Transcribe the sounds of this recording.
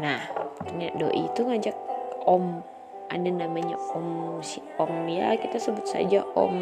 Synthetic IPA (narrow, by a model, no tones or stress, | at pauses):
naht̪əɲado̰ʔḭt̪uŋad͡ʒak̚ɔm | ʔa̰danamaɲaɔmusiɔmja̰kit̪asəbʊt̪̚sa̰d͡ʒaʔɔ̰m